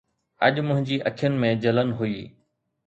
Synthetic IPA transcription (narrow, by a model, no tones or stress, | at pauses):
ɐ̰ʄmʊ̃ɦɪ̃ɲd͡ʑiːʔɐkʰjənɪ̆mẽd͡ʑɐlənɦuiː